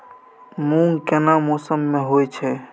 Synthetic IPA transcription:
muŋkenamosəmːẽɦojt͡ʃʰɛ

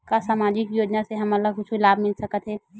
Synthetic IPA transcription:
kasaːmaːd͡ʒɪkjoːd͡ʒnaseɦɐmələɡkʊt͡ʃʰilaːbmɪlsɐkət̪ɦɛː

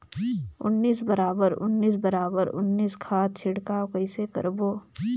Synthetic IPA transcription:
ʊ̰nːiːsbɐɾaːbəɾʊ̰nːiːs̬bɐɾaːbəɾʊ̰nːiːskʰaːt̪̚t͡ʃʰɪɽkaːkəɪsekɐ̰ɾboː

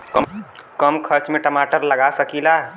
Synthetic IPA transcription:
kəkəmkʰəɾt͡ʃmeʈəmaʈəɾləɡasəkila

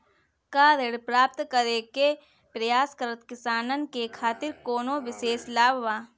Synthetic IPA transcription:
kaːɾeɽpɾaːp̚t̪kəɾeke | pɾɐjaːskəɾət̪kɪsaːnənkekʰaːt̪ɪɾkoːnoʋɪʃeːslaːbʋaː

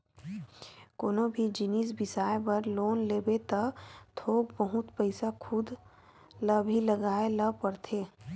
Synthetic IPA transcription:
koːnobʱid͡ʒinisbɪsaːebəɾloːnleːbet̪ət̪ʰoːɡbəɦʊt̪pəɪsakʰʊd̪ | ləbʱiləɡaːeləpəɾt̪ʰeː

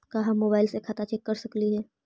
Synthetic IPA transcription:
kaɦamoːbaːɪlsekʰaːt̪at͡ʃɛːkːɐɾsɐkliɦɛː

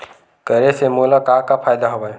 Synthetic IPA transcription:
kəɾesemoːlakakapʰaːjd̪aɦobaj

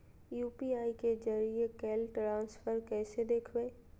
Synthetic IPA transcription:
juːpiaːiked͡ʒəɾiekɛːlʈɾãːnsfəɾkɛːsed̪eːkʰwẽː

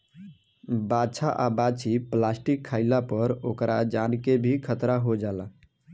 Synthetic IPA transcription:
bat͡ʃʰaʔabat͡ʃʰiplasʈikʰːaɪlapəɾokɾad͡ʒankebʱikʰət̪ɾaɦod͡ʒala

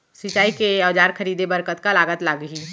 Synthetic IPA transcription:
sɪt͡ʃaːikeəʋd͡ʒaːɾkʰəɾiːd̪ebəɾkət̪kalaːɡət̪laːɡɦiː

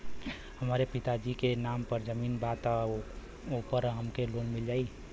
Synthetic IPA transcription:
həmaːɾepɪt̪ad͡ʒikenaːmpəɾd͡ʒəmiːnbaːt̪ | opəɾɦəmkeloːnmɪld͡ʒaːi

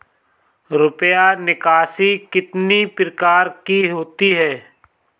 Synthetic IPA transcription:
ɾʊpjanɪkaːsikɪt̪nipɾɪkaːɾkiɦoːt̪iɦɛː

